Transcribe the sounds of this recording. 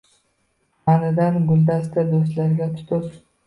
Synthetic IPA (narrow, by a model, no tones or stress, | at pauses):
anɪd̪anɡʊld̪ast̪ad̪ost̪laɾɡʲat̪ʰʊ̥t̪ʰʊɾ